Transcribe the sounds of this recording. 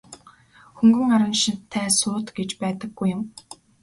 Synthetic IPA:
xɵŋɡɵ̆ŋaɾə̆nʃɪ̆n̥t̪ʰːæːsʊːt̪ɡet͡ɕpæːt̪ə̆ɡːujʊ̆m

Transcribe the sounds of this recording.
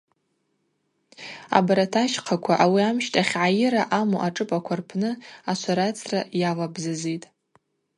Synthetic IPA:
a̰baɾatʰaʃqʰakʷʰaʔawiamʃtʼaχʲʕajɪɾaʔamuʔaʈ͡ʂʼɨpʼakʷʰarpʰnɨat͡ʃʷʰaɾat͡sʰrajavabzazitʼ

